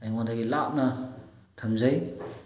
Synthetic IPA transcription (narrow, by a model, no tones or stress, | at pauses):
ajŋwadaɡilap̚na | tʰamzaj